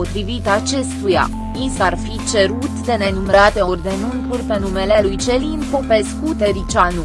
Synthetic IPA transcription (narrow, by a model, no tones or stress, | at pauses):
ot̪ɾivit̪at͡ʃe̞st̪uja̰ | insarfit͡ʃe̞ɾut̪d̪e̞ne̞numeɾat̪e̞orʲd̪e̞nunkurʲpe̞nume̞lelujt͡ʃe̞linpo̞pe̞skut̪e̞ɾit͡ʃanu